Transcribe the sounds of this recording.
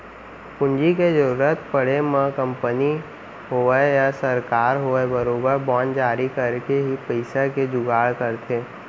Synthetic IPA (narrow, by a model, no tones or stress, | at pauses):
kʊ̃nd͡ʒiked͡ʒəɾuːɾət̪pəɽ̤emə̃kə̃mpəni | ɦoːəjasəɾkaːɾɦoːebəɾoːbəɾbɔ̃ːnd͡ʒaːɾikəɾkeɦipəɪsaked͡ʒʊɡaːɭkəɾt̪ʰeː